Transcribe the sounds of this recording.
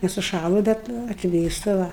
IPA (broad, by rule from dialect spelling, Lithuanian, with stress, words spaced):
nʲɛsʊˈʃɑːlˠʊ ˈbʲɛt ɐtʲˈʋʲeːstɐ ˈʋɐ